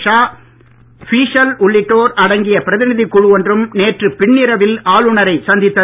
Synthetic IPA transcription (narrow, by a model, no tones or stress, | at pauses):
ʂaː | fiːʂɐlʊɭːɪʈːoːɾɐɽɐŋɡɪjɐpɪɾɐðɪnɪðɪkːʊɻʊʋɔndrɯmneːʈrɯpɪɳːɪɾɐʋɪlaːɭɯɳɐɾɐɪsɐnd̪ɪt̪ːɐ